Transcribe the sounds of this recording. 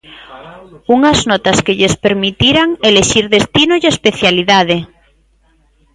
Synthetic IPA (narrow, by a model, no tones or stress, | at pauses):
uŋaznot̪askeʎespeɾmit̪iɾaŋeleʃiɾðest̪inoʝespeθjaliðað̞e